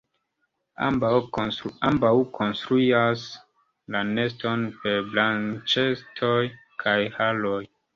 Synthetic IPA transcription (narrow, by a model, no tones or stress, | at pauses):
a̰mba | ambawkʰonstɾuias | lane̞sto̞npeɾblant͡ʃe̞stʰoj | kʰajhaloj